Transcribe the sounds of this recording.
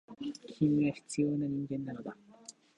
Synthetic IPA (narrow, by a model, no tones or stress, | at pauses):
kʲʰimʲiɡaçi̥t͡sɨjo̞ːnaɲĩŋɡẽ̞nːano̞d̪a